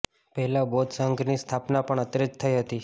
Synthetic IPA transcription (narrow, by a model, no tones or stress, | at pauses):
pəɦɛlabod̪səŋɡnist̪ʰapnapəɳət̪ɾəd͡ʒt̪ʰəiɦət̪i